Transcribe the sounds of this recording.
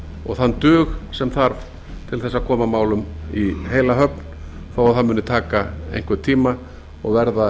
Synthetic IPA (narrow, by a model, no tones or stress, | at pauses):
ɔ̰ɣθanːt̪ʏːxsɛmθaɾv | t̪ʰɪlθɛsːaðkʰɔːmamaːwlʏmiɦeːjlaɦœpn | θawaθaðmʏnːʏt̪ʰaːkaḛjŋ̥kvɛɾ̥t̪ʰiːma | ɔɣvɛɾða